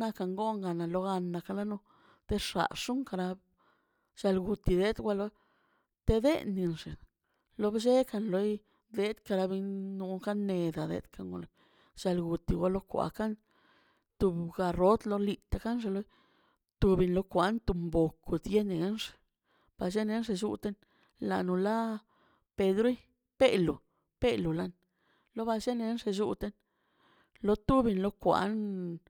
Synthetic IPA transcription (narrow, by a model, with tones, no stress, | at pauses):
na˦ka˧ŋɡo˦ŋɡa˨na˨lo˧ɣa˧nːa˧ka˧la˦nu˧ | t̪e˦ʂa̰˨ʂu˦ŋka˧ɾa˧ | ʃa˧lɡu˨t̪i˨d̪e˦d̪ɡʷa˧lo˧˦ | t̪e˦d̪ḛ˦nːi˧nʐe˨ | lo˧˦bʃe˦ka˧nlo˦j | d̪e˦t̪ka˧ɾa˧bi˧nnu˧ka˦nːe˧d̪a˨d̪ḛ˧˦d̪ka˧ŋɡo̰˧˨na˨ | ʃa˧lɡu˨t̪i˧˨ɡʷwʷa˧lo˦kʷa̰˧ka˦n | t̪u˧bɡa˧ɾo˦t̪lo˧li˧t̪a˧ka˦nʐ̬e˧lo˦j | t̪u˧bi˧nlo˧kʷa˧˦nt̪u˧mbo˨ku˨d̪je˦ne˨˦nʂ | b̥a˧ʃe˦ne˦nʐe˧ʃṵ˧t̪e˦n | la̰˨nu˧la˦ | pe˧d̪ɾi˦ | pe˦lu˨ | pe˦lu˨la˦n | lo˦ba˧ʃe˦ne˧˦nʂe˧ʃṵ˧t̪e˦n | lo˧t̪u˦bi˧nlo˦kʷa̰˧n